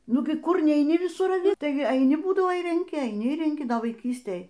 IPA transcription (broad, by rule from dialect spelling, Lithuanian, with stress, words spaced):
ˈnʊɡʲɪ ˈkʊr nʲɛɪˈnʲɪ ʋʲɪˈsʊr ɐˈʋʲɪ ˈtɐɪ ɐɪˈnʲɪ ˈbuːdɐʋoː ɪr rʲɛŋʲˈkʲɪ ɐɪˈnʲɪ ɪr rʲɛŋʲˈkʲɪ ʋɐɪˈkʲiːsʲtʲeːj